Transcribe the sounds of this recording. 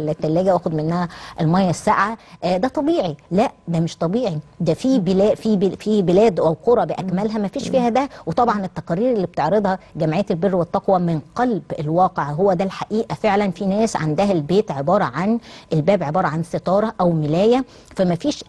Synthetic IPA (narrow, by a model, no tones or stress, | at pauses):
let̪ːælːæːɡæʔæːxod̪menːæhæʔelmɑjːɑsːaʔʕad̪æt̪ˤɑbiːʕilæʔd̪æmeʃt̪ˤɑbiːʕid̪æfiːbelæːʔfifibelæːd̪ʔæwqoɾˤɑbeʔækmælɦæmæfiːʃfiːhæd̪æwet̪ˤɑbʕɑnet̪ːɑqɑɾːiːɾelːiːb̚t̪eʕɾed̪ˤhɑɡæmʕejːælberːwet̪ˤːɑqwæmɪnqɑlbelwɑːqeʕɦowːæd̪ælħaʔiːʔæfeʕlænfinæːsʕa̰nd̪æɦælbeːt̪ʕebɑːɾˤɑʕanʔelbæːbʕebɑːɾˤɑʕanset̪ˤɑːɾˤɑʔæwmelæːjæ | fæmæfiːʃ